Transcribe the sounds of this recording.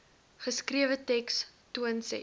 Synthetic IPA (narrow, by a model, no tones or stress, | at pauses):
χəskriəvətɛkstuənsɛ̰